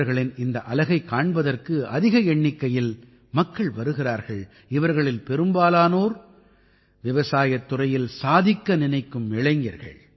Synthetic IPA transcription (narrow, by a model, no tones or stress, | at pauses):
ɾɣɐɭɪnɪnd̪ɐʔɐlɐɣɐɪkːaːɳbɐðɐrkɯɐ̰ðɪɣɐɛɳːɪkːɐjɪl | mɐkːɐɭʋɐɾɯɣɪraːɾɣɐɭ | ɪʋɐɾɣɐɭɪlpɛɾɯmbaːlaːnoːɾ | ʋɪʋɐsaːjɐt̪ːʊrɐjɪlsaːðɪkːɐnɪnɐɪkːɯmːɪɭɐɪŋɡɐɾɣɐ̰ɭ